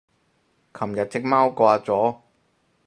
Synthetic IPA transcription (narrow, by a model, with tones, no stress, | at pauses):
kʰɐ˨˩mjɐ˨t̚t͡sɪ˥k̚maː˥wkʷaː˧t͡sɔː˨˥